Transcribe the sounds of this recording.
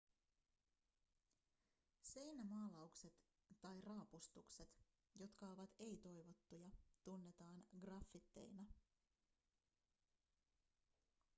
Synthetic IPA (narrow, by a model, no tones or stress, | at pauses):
se̞jnæmɑːlɑukse̞t̪ː | ɑjrɑːpust̪ukse̞t̪ | jo̞t̪kɑo̞ʋɑt̪e̞jt̪o̞jʋo̞t̪ːujɑt̪unːe̞t̪ɑːnɡrɑfːit̪ːe̞̰jnɑ